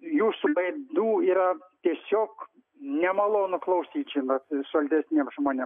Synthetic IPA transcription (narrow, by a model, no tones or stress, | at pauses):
juːsubˠɐɪd̪uːiːɾɐt̪ʲiɛsʲoːk | nʲɛmɑlˠoːnʊklˠɐʊsʲiːt͡ʃʲɪmɐt̪sʊɐlʲt̪ʲɛsʲnʲeːmʒmoːnʲem